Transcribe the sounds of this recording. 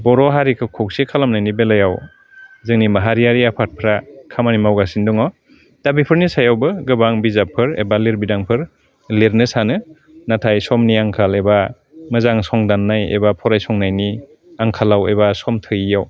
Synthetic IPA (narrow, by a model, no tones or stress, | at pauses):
bɔɾɔɦaɾikʰɯkʰɔk̚sikʰalamnajnibelajaw | zɯŋnimaɦaɾijaɾiapʰat̚pʰɾakʰamanimawɡasindɔŋɔ | d̥abipʰɯɾnisajawbɯɡɯbaŋbizapʰɯɾḛbaliɾbidaŋpʰɯɾ | liɾnɯsanɯ | natʰajsɔmniaŋkʰaleba | mɯzaŋsɔŋdanːajḛbapʰɔɾajsɔŋnajni | aŋkʰalawebasɔmtʰɯjijaw